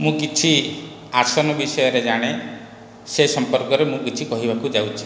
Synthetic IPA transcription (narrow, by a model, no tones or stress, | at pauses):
mũkit͡ʃʰi | aɾsɔnɔbisɔjɔɾed͡ʒaɽ̃e | sesɔmpɔɾkɔɾemũkit͡ʃʰikɔɦibakud͡ʒawt͡ʃʰi̥